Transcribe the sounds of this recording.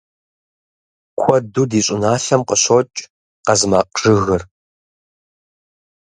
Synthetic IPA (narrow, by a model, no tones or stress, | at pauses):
kʷʰɔdudiːɕʼɪnaːɬɐmqəɕot͡ʃʼ | qɐzɨmaːqʼʐ̥ɨɣɨr